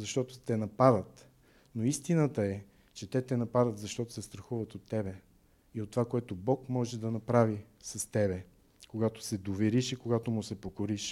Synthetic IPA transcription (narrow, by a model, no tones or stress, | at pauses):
zɐʃt̪ɔt̪ʊ̥t̪ɛnɐpad̪ət̪ | noist̪inət̪əɛ | t͡ʃɛt̪ɛt̪ɛnɐpad̪ət̪zɐʃt̪ɔt̪ʊ̥sɛst̪ɾɐxuvət̪ot̪ːɛbɛ | iot̪ːovakoɛt̪obɔkmɔʒɛd̪ɐnɐpɾavisɐst̪ɛbɛ | koɡat̪o̥sɛd̪ovɛɾiʃikoɡat̪omʊsɛpokoɾiʃ